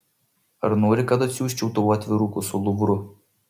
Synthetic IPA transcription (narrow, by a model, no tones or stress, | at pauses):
ɐɾnoːɾʲɪkɐt̪ɐt̪ʲsʲuːsʲt͡ʃʲɛʊt̪oɐt̪ʲʋʲɪɾuːkʊsʊlˠʊʋɾʊ